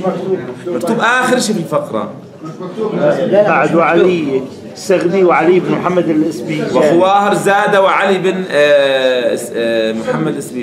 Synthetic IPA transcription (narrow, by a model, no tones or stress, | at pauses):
mɑɾt̪ˤuːbʔaːxɪɾʃiːbɪlfaqɾˤɑ̰ | aʕd̪uʕali | saɣd̪iwʕaliɪbnmʊħamːad̪ɪlʔɪsbiːwxʊwaːhɑɾˤzaːd̪awʕalibɪn | mʊħamːad̪lʔɪsbiː